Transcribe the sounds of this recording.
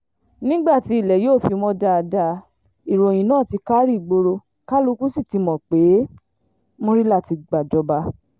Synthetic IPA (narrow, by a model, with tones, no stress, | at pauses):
nĩ˦ɡ͡ba˦˨ti˨˧i˦˨lɛ˨joː˦˨fi˧mɔ̃˧da˧da˧ | i˨ɾo˨j̃ĩ˨nãː˦˨ti˧ka˦ɾi˦˨ɡ͡bo˧ɾo˧ | ka˦lu˦˧˦ku˦si˦˨ti˨˧mɔ̃˨k͡pe˨˦ | mõ˦ɾi˦la˦˨ti˧ɡ͡ba˨d͡ʒɔ˧ba˧